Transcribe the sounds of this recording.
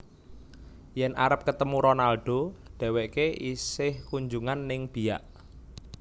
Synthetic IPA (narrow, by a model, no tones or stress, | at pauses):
jɛnʔa̰ɾəp̚kət̪əmuɾɔnalɖ̥o̤ɖ̥ɛ̤weʔkeʔisɪhkuɲd͡ʒuŋanːɪŋb̥i̤ja̰ʔ